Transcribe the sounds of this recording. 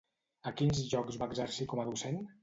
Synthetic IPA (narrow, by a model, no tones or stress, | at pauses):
əkinzʒɔkzβaːɡzəɾsikɔməðusen